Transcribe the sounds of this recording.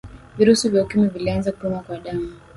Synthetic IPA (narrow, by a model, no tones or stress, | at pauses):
viɾusivjaukimɛvilianzakupɛmakwaɗamu